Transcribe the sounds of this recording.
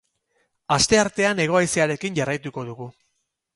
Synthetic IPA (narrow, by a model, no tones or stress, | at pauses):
ast̪e̞aɾt̪e̞ane̞ɣ̞o̞ajsiaɾe̞kiɲɟarajt̪uko̞ðuɣu